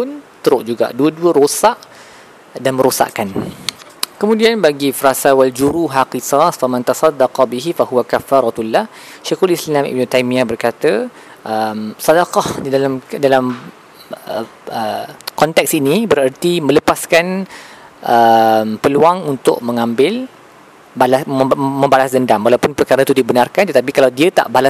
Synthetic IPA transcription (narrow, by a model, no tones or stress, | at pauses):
pʊnt̪əɾʊʔd͡ʒuɡa̰ʔduəduəɾosaʔ | danmə̃ɾosa̰ʔkan | kəmũdianbaɡifəɾasawald͡ʒuɾuɦaqisɑsfamãnt̪ɑsɑdːɑqɑbiɦifaɦuwakafːaɾˤɑt̪ulːah | ʃaxulislilamḭbnut̪ajmĩabərkat̪ə | ʔəmsɑdaqɑhdidalamdalam | ə | ʔəkɔnt̪ɛk̚sinibəɾərt̪imə̃ləpaskan | ʔəmpəluaŋunt̪ʊʔ̚mə̃ŋãmbɪl | balasmə̃mbalasdəndamwalawpʊnpərkaɾat̪udibənarkant̪ət̪ap̬ikalawdiat̪a̰ʔbala